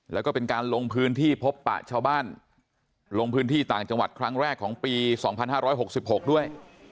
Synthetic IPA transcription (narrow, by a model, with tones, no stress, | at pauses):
lɛː˦˥wkɔː˥˩pe˧nkaː˧nlo˧ŋpʰɯː˦˥nt̪ʰiː˥˩pʰo˦˥pːa̰˨˩ʔt͡ɕʰaː˧wbaː˥˩n | lo˧ŋpʰɯː˦˥nt̪ʰiː˥˩t̪aː˨˩ŋt͡ɕa˧ŋwa˨˩t̪̚kʰɾa˦˥ŋɾɛː˥˩kʰːɔː˩˦ŋpiː˧sɔː˩˦ŋpʰa˧nhaː˥˩ɾɔː˦˥jɦo˨˩k̚si˨˩p̚ho˨˩k̚du˥˩əj